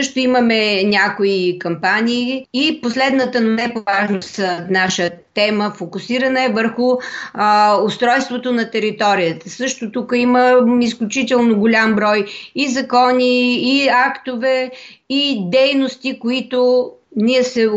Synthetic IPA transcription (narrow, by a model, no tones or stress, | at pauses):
sɤʃt̪ʊiməmɛnʲakoikɐmpanʲiːiposlɛd̪nət̪ənnɛpovaʒnoənaʃət̪ɛməfokʊsiɾɐnəɛvəɾxʊ | ʊst̪ɾɔjst̪vot̪onɐt̪ɛɾit̪ɔɾijət̪əsɤʃt̪ot̪ukəiməisklʲʊt͡ʃit̪ɛlˠnoɡolʲambɾɔjizɐkɔniːakt̪ovɛ | id̪ɛjnost̪ikʊit̪onʲiɛsɛ